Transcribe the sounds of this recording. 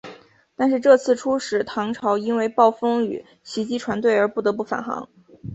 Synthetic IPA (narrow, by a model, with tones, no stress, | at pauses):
t̪a˥˧nʂ̬ɻ̩˥˧ʈ͡ʂɤ˥˧t͡sʰɹ̩˥˩ʈ͡ʂʰu˥ʂɻ̩˨˩t̪ʰɑ˧˥ŋʈ͡ʂʰɑ˧˥ʊi˥nwe˥˧ɪpɑ˥˩ʊfɤ˥ŋy̰˨˩ | ɕi˧˥t͡ɕi˥ʈ͡ʂʰwa˧˥nt̪we˥˩ɪə˞˧˥pu˥˩t̪ɤ˧˥pu˥˩fa̰˨˩nxɑ̰˧˥ŋ